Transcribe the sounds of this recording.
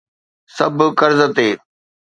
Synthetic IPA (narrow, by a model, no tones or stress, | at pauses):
sɐbʱkɐɾzət̪eː